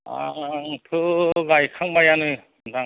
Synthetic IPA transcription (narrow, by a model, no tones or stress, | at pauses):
a̰ŋkʰɯɡajkʰaŋmajanɯ | daŋ